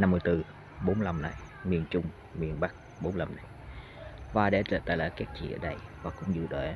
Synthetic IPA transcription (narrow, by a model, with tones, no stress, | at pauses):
na˧mːɨ˨˧əjt̪ɨ˧ | ɓo˨˦nla˧mna̰˨˩j | mi˨˩ənt͡ɕʊ˧ŋ͡m | mi˨˩ənɓa˦˥k̚ | ɓo˨˦nla˧mna˨˩j | vaː˨˩ɗe˧˩t͡ɕə̰ː˧˩t̪aː˧˨laː˧˩jka˦˥k̚t͡ɕḭ˧˨ʔəː˧˩ɗə˧jvaː˨˩kʊ̰˧˥ŋ͡mzɨ̰˧˨ɗwe˧˩